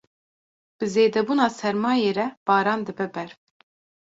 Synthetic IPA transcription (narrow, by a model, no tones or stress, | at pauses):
b̥ɨzeːd̪ɛbuːnɑːsɛɾmɑːjeːɾɛb̥ɑːɾɑːnd̪ɨbɛbɛɾ